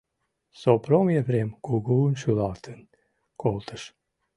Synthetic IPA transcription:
sopɾomjevɾemkuɡuunʃylɑt̪ʰən | kolˠt̪ʰəʃ

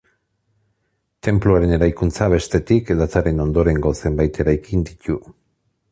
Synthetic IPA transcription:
t̪e̞mpluaɾe̞ne̞ɾajkunt͡saβ̞e̞st̪e̞t̪ikðat͡saɾe̞no̞nd̪o̞ɾe̞ŋɡo̞se̞mbajt̪e̞ɾajkind̪it̪u

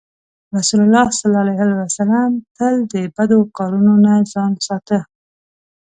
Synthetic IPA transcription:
ɾasulalːɑsalɑalajɦɑlawasalamt̪əld̪əbad̪okɑɾunonazɑnsɑt̪ə

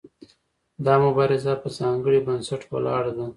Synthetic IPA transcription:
d̪ɑmʊbɑɾɪzapəzɑŋɡəɽibansaʈwə̰lɑɽd̪a

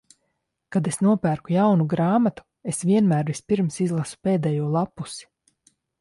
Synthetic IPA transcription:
kad̪esnuɔpæːɾkujawnuɡɾaːmat̪u̥ | esvʲiɛnmæːɾvispiɾmsizlˠasu̥peːd̪ɛːjuɔlˠapːusi̥

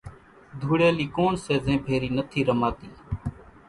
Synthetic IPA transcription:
d̪ʱuːɽeːliːkoːɳseːzẽːbʱeːɾiːnət̪ʰiːɾəmaːt̪iː

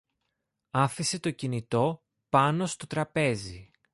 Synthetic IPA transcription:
ɐfise̞t̪o̞cinit̪o̞ | pɐno̞st̪o̞t̪ɾɐpe̞zi

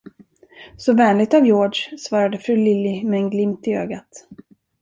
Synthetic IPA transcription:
sɔvɛːnlɪɡ̚t̪avjoːʂsvɑːɾad̪əfɾʉ̟ːlɪlːɪmɛːnɡlɪmt̪ɪø̰ːɡat̪

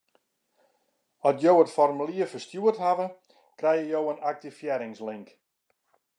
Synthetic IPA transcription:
ɔtjowətfɔrmyliəfərstjuəthavə | krɛjjəjowənak̚tifjɛɾɪŋslɪŋk

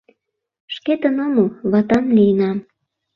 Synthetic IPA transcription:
ʃket̪ə̆nomoβɑt̪ɑmlijənɑm

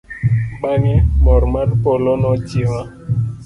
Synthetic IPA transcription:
ɓaŋɛmɔɾmanpɔlɔnɔtiwa

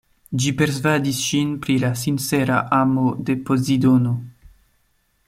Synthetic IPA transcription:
d͡ʒipe̞ɾsvadisʃinpɾilasinseɾa̰ʔamode̞pozid̪ono

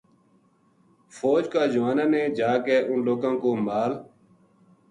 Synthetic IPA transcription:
foːd͡ʒkaːd͡ʒəʋaːnãːnẽːd͡ʒaːkeːʔʊnloːkãːkoːmaːl

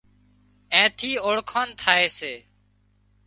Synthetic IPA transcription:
ẽːt̪ʰiːoːɽkʰaːnt̪ʰaːeːseː

